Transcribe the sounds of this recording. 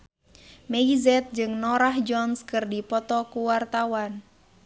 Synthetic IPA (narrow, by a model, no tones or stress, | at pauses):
meizɛt̪̚d͡ʒɨŋnɔɾahd͡ʒɔnskɨrdipɔt̪ɔkuwart̪awan